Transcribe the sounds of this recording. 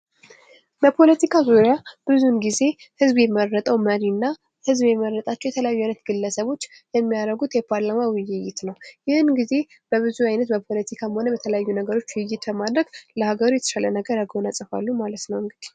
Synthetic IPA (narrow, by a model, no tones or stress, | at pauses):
bəpʰo̞lət̪ʰikʰazoɾjab̥ɨzunɡize̞ | hɨzbjɛmərːət̪ʼəwməɾinːa | hɨzbjɛməɾːət̪ʼat͡ʃːɛwɛt̪ʰələjajːuajnət̪ɡ̥ɨlːəsəβo̞t͡ʃː | jɛmːijaɾəɡut̪jɛpʰaɾlamawɪjɪjːɪt̪nəwjɪhɨnɡize̞ | b̥əβɨzuajnət̪̚bəpʰo̞lət̪ʰikʰamho̞nəbət̪ʰələjajːunəɡəɾo̞t͡ʃːwʊjːɪt̪bəmad̪ɾəɡləhaɡəɾujɛt̪ʰə̥ʃalənəɡəɾaɡhonasʼɨfa̰lːumalət̪nəwɨŋɡɨd̪i̥